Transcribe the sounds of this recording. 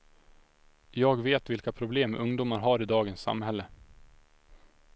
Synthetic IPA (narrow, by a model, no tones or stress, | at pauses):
jɑːɡveːt̪vɪlkapʰɾʊbleːmɵŋd̪uːmaɾɦaɾɪd̪ɑːɡənsːa̰mhɛlːə